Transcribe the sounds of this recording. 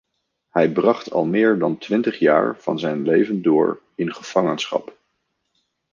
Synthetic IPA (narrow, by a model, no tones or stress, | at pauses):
hɛjbrɑχtʰɑ̰lˠmɪːɹdɑntʋɪntəχja̰ːɹv̥ɑ̰nzɛjnlejvəndʊːɹ | ɪnχəv̥ɑŋənsχɑ̰p